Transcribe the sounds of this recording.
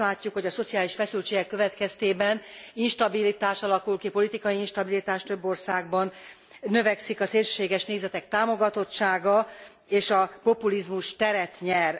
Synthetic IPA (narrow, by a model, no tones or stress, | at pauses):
laːcːukho̞ɟɒso̞t̪sijaːliʃfɛsylt͡ʃeːɡɛkːøvɛt̪kɛst̪eːbɛninʃt̪ɒbilit̪aːʃɒlɒkulkipo̞lit̪ikɒjiinʃt̪ɒbilit̪aːʃt̪ø̞bːo̞rsaːɡbɒnː | ø̞vɛksikɒseːlʃø̥ːʃeːɡɛʃneːzɛt̪ɛkt̪aːmo̞ɡɒt̪o̞t͡ʃaːɡɒ | eːʃɒpo̞pulizmuʃt̪ɛɾɛt̪ɲɛr